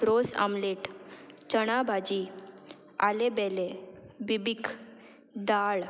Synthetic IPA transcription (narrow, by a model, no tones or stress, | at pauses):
ɾosa̰mleʈt͡ɕəɽ̃abʱad͡ʑi | a̰lebɛlebibikʰ | d̪aɭ